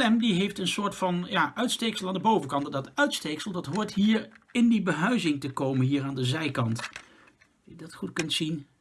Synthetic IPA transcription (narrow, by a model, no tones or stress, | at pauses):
ɛmdiɦejftənsʊːɹtfɑnjaːʔœɥtstejksəlˠaːndəbowvəkɑntddɑtœɥtstejksəlˠdɑtɦʊːɹtɦiːɹɪndibəɦœɥzɪŋtəkowmənɦiːɹaːndəzɛjkɑnt | jədɑtχutkɵntsin